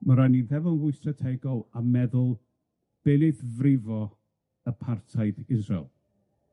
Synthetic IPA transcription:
maɾaniðɛvɔnvʊɨstratʰɛɡɔlˠamɛðʊlˠ | b̥ɛlɪθvrɪvɔ | əpʰartʰajðɡɪnsɔ̰lˠ

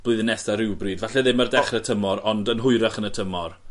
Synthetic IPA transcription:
b̥lˠʊɨðənɛsaɾɪwbriːdvaɬɛðɪmərdɛχrətʰəmɔɾɔndənɦʊɨɾəχənətʰəmɔr

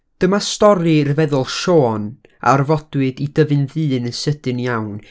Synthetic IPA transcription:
d̥əmastɔɾirvɛðʊlˠʃoːn | a̰rvɔd̥wɨdidəvɨnðɨːnəsədɨnjawn

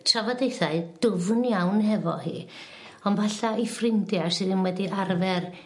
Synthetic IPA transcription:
tʰravɔdejθaɨd̥ʊvnjawnhɛvɔ̰hḭː | ɔnvaɬaifrɪmdjasɨðɪnwɛdiʔarvɛr

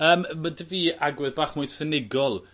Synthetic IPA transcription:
əːmmadəviːʔaɡwɛðbaːχmʊɨsənɪɡɔlˠ

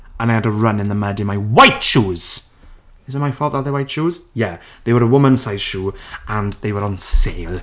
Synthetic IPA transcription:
ə̃naɪjədəɹʌnɪ̃nðəmədɪ̃nmaɪwajtʃuːz̥ | ɪzəmaɪfɔðəðəwaɪtʃuːz̥jɛ | ðeɪwəɾəwʊmə̃nsaɪz̥ʃuːʔə̃nðeɪwəɾə̃nseɪlˠ

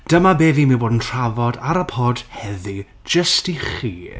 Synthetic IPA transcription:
d̥əmabeːviːmiboːdn̩tʰr̥avɔdaɾəpʰɔːd̥hɛði | d͡ʒəstiχiː

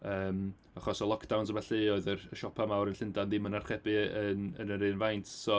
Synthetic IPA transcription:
əːm | aχɔsɔlˠɔkʰd̥awnsəmaɬɨoɨðərəʃɔpʰamawɾənɬɪndandɪmənarχɛbɨənə̰nəɾɨːnvajntʰsɔ

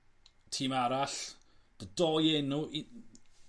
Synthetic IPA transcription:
tʰiːmaɾaɬd̥ədɔːjɛnuʔi

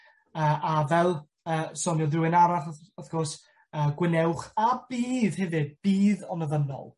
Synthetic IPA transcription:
əːʔavɛlˠ | əːsɔnjɔðɪwɪnaɾaθəθɡ̥ɔrs | əːɡwɪnɛwχab̥iːðhɛvɨd̚b̥iːðɔnəðənɔ̰lˠ

